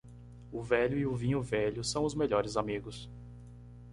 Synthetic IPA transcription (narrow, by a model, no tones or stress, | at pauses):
ʊvɛʎʊiʊvĩɲʊvɛʎʊsɐ̃w̃ʊzmeʎɔɾɪzamiɡʊs